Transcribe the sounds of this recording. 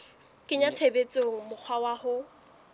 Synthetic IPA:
kʼɪɲat͡sʰebet͡sʼoŋ̩mʊk͡xʰwawahʊ

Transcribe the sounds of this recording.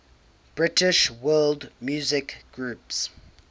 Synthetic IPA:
b̥ɹɪtɪʃwɜːldmjuːzɪkɡ̥ɹuːˑps

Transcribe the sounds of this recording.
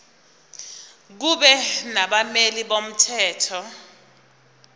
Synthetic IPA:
k̬uɓɛnaɓameliɓom̩tʰɛːtʰɔ

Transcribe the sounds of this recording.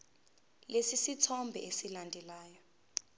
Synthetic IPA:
lesisitʰɔmbʱɛ̰ʔesilandʱɛlaːjɔ

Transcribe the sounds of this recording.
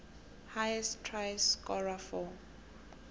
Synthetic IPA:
hajɛstʰrajskɔlafɔ

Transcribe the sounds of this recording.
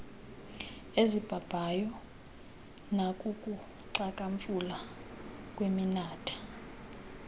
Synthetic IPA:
ezib̥ʱab̥ʱajɔ | nakʼukʼu | ǀakʼaɱfula | kʼweminaːtʰḁ

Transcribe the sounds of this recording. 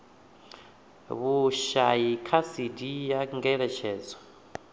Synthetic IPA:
βuʃajikʰasidijaŋɡɛɺɛʃɛːd͡zɔ

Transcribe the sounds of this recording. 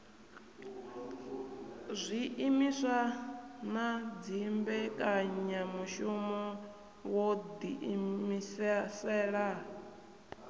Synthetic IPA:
zʷiʔimisʷanad͡zimbɛkʼaɲamuʃumɔ | wɔd̪iʔimisɛsɛːɺa

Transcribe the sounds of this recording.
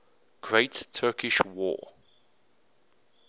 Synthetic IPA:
ɡ̥ɹeɪtʰɜːˑkʰɪʃwɔ̰ː

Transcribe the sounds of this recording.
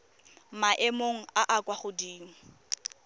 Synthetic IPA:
maʔemoŋ̩aʔakʼwaχʊdiːŋ̩

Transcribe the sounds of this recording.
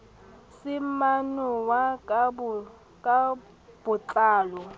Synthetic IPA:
sɪmanɔwa | kʼa | b̥ʊt͡ɬʼaːlɔ

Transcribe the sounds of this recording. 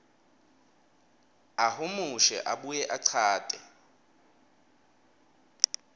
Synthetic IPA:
ahʊmuʃɛ̰ʔaɓujɛʔaǀʰaːtʼɛ

